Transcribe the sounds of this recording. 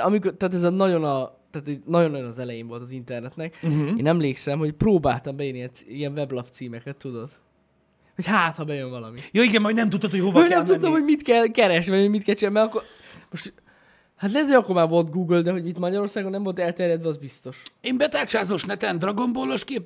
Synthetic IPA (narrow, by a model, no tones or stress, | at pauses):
ɒmikort̪aːt̪ɛzɒnɒɟo̞nɒt̪aːt̪ɛnɒɟonːɒjonɒzɛlɛjeːɱvo̞lt̪ɒzint̪ɛrnɛt̪nɛk̩eːnɛmleːksɛmho̞cproːba̰ːlt̪ɒmbɛjønːiɛnsiɛɱvɛblɒpt̪siːmɛkɛt̪ːud̪o̞t̪ | ho̞chaːt̪hɒbɛjøɱvɒlɒ̰mitjoːiɡɛmːɔjnɛmt̪ut̪ːot̪hojhovjnɛmt̪ut̪ːomhoɟmit̪kɛlkɛɾɛʃvɒjhoɟmit̪kɛlt͡ʃemɛɾɒkːor | mo̞ʃt̪ | hat̪lɛt̪jɒkːomaːvo̞lt̪ɡuːɡøld̪ɛɦo̞ɟit̪mɒɟɒɾo̞ːrsaːɡonːɛmvo̞lt̪ɛlt̪ɛrjɛd̪ʋɛɒzbist̪o̞ʃeːmbɛt̪aːt͡ʃaːzoːʃnɛt̪ɛnd̪rɒɡomboloʃkeːp